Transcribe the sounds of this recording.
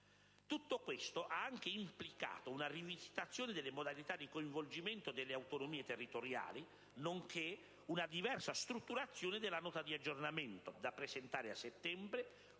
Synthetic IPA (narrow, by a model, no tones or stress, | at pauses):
t̪ut̪ːokwest̪oʔaaŋk̟eimplika̰ːt̪ounarivisi̥t̪at̪sːjoːnɪd̪ɪlːɪmod̪alit̪ad̪ːikoiɱvold͡ʒiment̪od̪elːeawt̪onomiːet̪erːit̪oɾja̰ːli | noŋkʰe | unad̪ivɛrsast̪ɾut̪ːuɾat̪sːjoːnɪd̪elːanɔːt̪ad̪iad͡ʒːornament̪od̪apːɾezent̪aːɾeasːet̪ːɛmbɾe